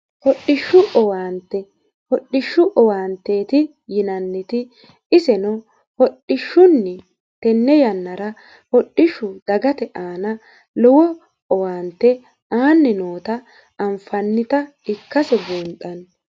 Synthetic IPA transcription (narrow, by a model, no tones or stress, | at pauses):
hɔɗːɪʃːʊʔɔwaːnt̪ːɛ | hɔɗːɪʃːʊʔɔwaːnt̪ːe̞ːt̪ɪ | jɪnɐnːɪt̪ɪ | ɪsɛnɔ | hɔɗːɪʃːʊnːɛ | t̪ɛnːɛjɐnːɐɾɐ | hɔɗːɪʃːʊd̪̥ɐɡɐt̪ɛʔaːnɐ | lɔwɔ | ɔwaːnt̪ːɛ | aːnːɛnoːt̪ɐː | mfɐnːɪt̪ɐ | ɪkːɐsɛbuːnt̪ʼːɐn